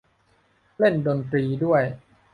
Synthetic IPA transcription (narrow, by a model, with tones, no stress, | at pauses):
le˥˩ndo˧nt̪ɾiː˧du˥˩əj